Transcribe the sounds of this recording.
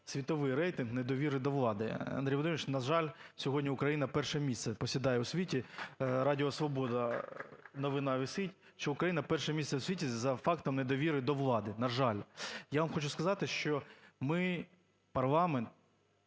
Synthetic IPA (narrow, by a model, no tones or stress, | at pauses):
sʲʋʲit̪ɔʋɪjɾɛjt̪ɪnɣned̪ɔʋʲiɾɪd̪ɔʋlˠɑd̪ɪɐ̰nd̪ɾʲijʋɔd̪ɔmʲɪt͡ʃnɐʒɑlʲsʲɔɦɔdʲnʲiʊkɾɐjinɐpɛrʃɛmʲisʲt̪sɛpɔsʲid̪ɑjɛʊsʲʋʲitʲiɾɑdʲɪɔsʋɔbɔd̪ɐ | nɔʋɪnɑʋʲɪsɪtʲ | ʃt͡ʃɔʊkɾɐjinɐpɛrʃɛmʲist̪sɛwsʲʋʲitʲizɐfɑkt̪ɔmned̪ɔʋʲiɾɪd̪ɔʋlˠɑd̪ɪnɐʒɑlʲjaʋɐmxɔt͡ʃʊskɐzɑt̪ɪʃt͡ʃɔmɪ | pɐrlˠɑment̪̚